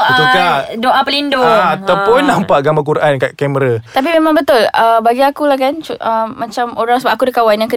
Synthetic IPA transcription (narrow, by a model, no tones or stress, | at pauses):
ad͡ʒuadoʔapəlindʊat̪awpʊnːãmpaʔɡambak̬uɾʔankaʔkɛməɾat̪ap̬imemãŋbət̪ʊləbaɡiakulakant͡ʃuəːat͡ʃamoɾaŋsəbapʔakudəkawanjaŋkə